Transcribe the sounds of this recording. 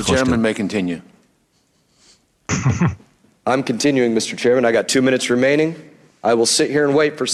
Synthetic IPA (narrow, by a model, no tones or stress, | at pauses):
t͡ʃɛɹmmɨ̃nmeɪkɨ̃n̩tʰɪ̃njʉ | ãɪ̃mkɨ̃n̩tʰɪ̃njʉɪ̃ŋmɪstə˞t͡ʃʰɛɹmɨ̃ñaɪɡɑtʰʉmɪ̃ñɨtsɹɨmẽɪ̃ñɪ̃ŋ | ʔaɪwəlˠsɪt̚hiɹə̃nweɪtfə˞s